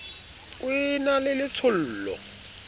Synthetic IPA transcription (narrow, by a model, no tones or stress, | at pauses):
wɪnalɪlɪt͡sʰʊl̩ːlɔ̰